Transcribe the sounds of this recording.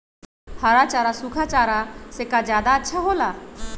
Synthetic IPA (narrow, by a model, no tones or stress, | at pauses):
haɾat͡ʃaːɾasukʰat͡ʃaːɾasekad͡ʒjaːd̪aətːʃʰaɦoːlaː